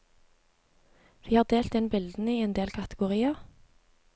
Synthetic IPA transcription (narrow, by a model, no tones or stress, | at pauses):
ʋiːhɑːʁd̪eːlt̪ɛnbɪld̪n̩əiːɛnd̪eːlkʰɑt̪əɡʊʁiːɑ